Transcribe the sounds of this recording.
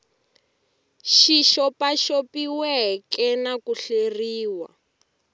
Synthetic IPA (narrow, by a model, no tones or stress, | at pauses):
ʃiʃɔpaʃopiwɛɦkɛnakuɬeriːwa̰